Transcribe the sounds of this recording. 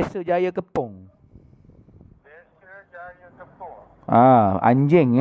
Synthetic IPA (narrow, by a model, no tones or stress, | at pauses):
asəd͡ʒajakəpɔŋ | ʔaã̰ɲd͡ʒɛŋ